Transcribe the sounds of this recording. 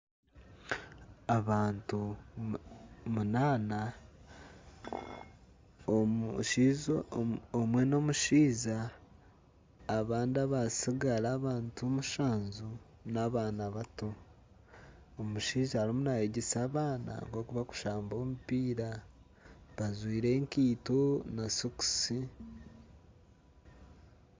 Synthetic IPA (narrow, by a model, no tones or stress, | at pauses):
aβaːntu | munaːna | ʃiz | omwe̞no̞muʃiːza | βaːndiaβasiɡaɾaːβaːntumuʃaːnzu | naβaːnaβato | omuʃiːzaːɾimunaheɟesaːβaːna̰ŋko̞kuβaku̥ʃaːmbo̞ːmupiːɾa | βazwiːɾe̞ːŋkiːtonasuku̥si